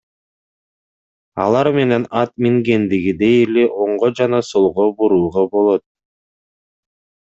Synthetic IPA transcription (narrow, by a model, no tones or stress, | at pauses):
ɑ̰lˠɑɾme̞ne̞nɑt̪miŋɡe̞nd̪iɡid̪ejleʔo̞ɴʁod͡ʒɑnɑsolˠʁobuɾuːʁɑbo̞lˠo̞t̪̚